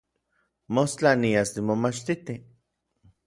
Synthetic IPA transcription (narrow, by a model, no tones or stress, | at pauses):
most͡ɬaniasnimomat͡ʃt̪it̪i